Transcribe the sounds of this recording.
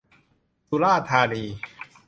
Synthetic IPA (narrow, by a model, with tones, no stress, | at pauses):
su˧˦laː˥˩t̪ʰaː˧niː˧